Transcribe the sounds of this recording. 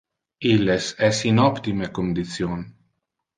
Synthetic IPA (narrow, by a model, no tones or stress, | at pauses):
ilːesɛsinɔpt̪imekond̪it̪sjon